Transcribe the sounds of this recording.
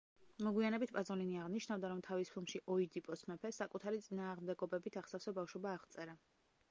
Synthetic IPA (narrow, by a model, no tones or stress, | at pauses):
mɔɡwianɛbit̪̚ʰpʼazɔliniaʁniʃnavd̪aɾɔmt̪ʰavispʰilˠmʃiʔɔid̪ipʼɔsmɛpʰɛsakʼut̪ʰaɾit̪sʼinaːʁmd̪ɛɡɔbɛbit̪ʰaʁsafsɔbafʃwɔbaːʁt̪sʼɛɾa